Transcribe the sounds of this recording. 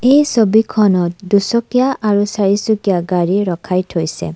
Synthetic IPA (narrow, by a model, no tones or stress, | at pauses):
ejsɔbikʰɔnɔt̚dusɔkijaʔaɹusaɹisukjaɡaɹiɹɔkʰajtʰojsḛ